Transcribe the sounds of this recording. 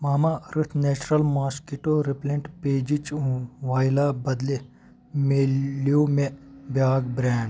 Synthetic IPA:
maːmaɾɪt̪ʰneːt͡ʃɾɐlmaːskiʈoɾɪplẽɳʈpeːd͡ʒit͡ʃʋaːjlabɐd̪le | mejomẽbjaːɡbɾɛːɳɖ

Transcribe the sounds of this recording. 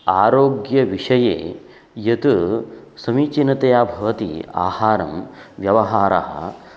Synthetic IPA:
aːɾoːɡjɐʋiʂɐjḛː | jɐt̪usɐmiːt͡ʃinɐt̪ɐjaːbʱɐʋɐt̪ḭa̰ːhaːɾɐmʋjɐʋɐɦaːɾa̰ɦɐ̰

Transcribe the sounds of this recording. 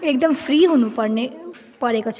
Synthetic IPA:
ek̚d̪əmfɾiːɦunũpəɾne | pəɾekət͡ʃʰ

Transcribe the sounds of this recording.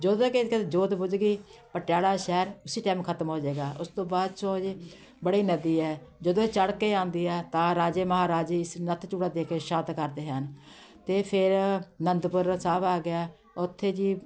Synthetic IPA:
d͡ʒəd̪õːkɪkəd͡ʒoːd̪bʊd͡ʒɡiːpəʈjaːɽaːʃɛːɾʊsiːʈaːmkʰət̪mɦoːd͡ʒeːɡaːʔʊst̪õːbaːd̪t͡ʃõːd͡ʒ | bəɽiːnəd̪iːɛːd͡ʒəd̪õːt͡ʃəɽkeːãːnd̪iːɛːt̪ãːɾaːd͡ʒeːməɦaːɾaːd͡ʒiːɪsnət̪ʰt͡ʃuːɽaːd̪eːkʰeːʃãːt̪kəɾd̪eːɦən | t̪eːpʰɪɾnənd̪pʊɾsaːbaːɡɪjaː | ʊt̪ʰːeːd͡ʒiː

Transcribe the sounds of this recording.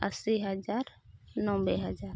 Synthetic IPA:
əsiɦəd͡ʒaːɾnɔ̃ːbeɦəd͡ʒaːɾ

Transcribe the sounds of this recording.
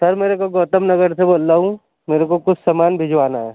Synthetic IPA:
sɐɾmeːɾekoɡoːt̪əmnɐɡəɾseboːlt̪aːɦũ | meːɾekokʊt͡ʃʰsɐmaːnbʱɪd͡ʒʋaːnaɦɛː

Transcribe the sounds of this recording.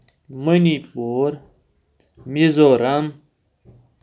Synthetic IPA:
mənipoɾ | mizoɾan

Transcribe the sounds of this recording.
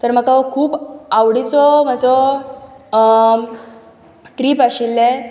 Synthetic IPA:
t̪əɾm̤əkakʰuːpawɽit͡sɔm̤ad͡zɔ | ʈɾiːpaɕilːɛ

